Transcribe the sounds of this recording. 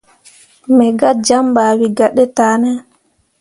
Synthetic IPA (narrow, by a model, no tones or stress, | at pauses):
mɛɡad͡ʒambaːwiɡaɗːɛtaːnɛ